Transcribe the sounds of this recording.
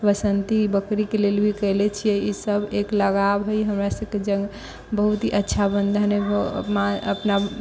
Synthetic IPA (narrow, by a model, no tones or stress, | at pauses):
bəsənt̪ibəkɾikelelbʱikəlɛt͡ʃʰijɛisəbʱekləɡabɦojɦəmɾasəb̚ked͡ʒə̃ŋɡ | bəɦut̪ɦiʔətːʃʰabənd̪ʱəneb̰maəpna